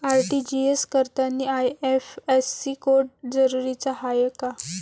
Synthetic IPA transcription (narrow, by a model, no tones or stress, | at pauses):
aɾʈid͡ʑieskəɾt̪anːiajefesːikoɾɖ̚d͡zəɾuɾit͡sahajəka